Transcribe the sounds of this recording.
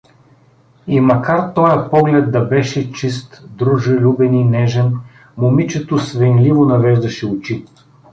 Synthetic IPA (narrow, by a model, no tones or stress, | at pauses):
imɐkaɾt̪ɔjɐpɔɡlɛd̪̚d̪ɐbɛʃɛt͡ʃist̪d̪ɾuʒɪlʲubɛninɛʒɛn | momit͡ʃɛt̪osvɛnlivonɐvɛʒd̪ɐʃɛʊt͡ʃi